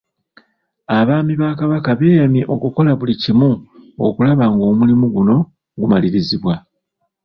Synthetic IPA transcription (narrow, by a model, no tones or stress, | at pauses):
aβaːmiβaːkaβakaβeːjamiʔo̞kuko̞laβulicimuo̰kulaβaŋɡo̞ːmulimuɡuno̞ | ɡumaliɾiziβwa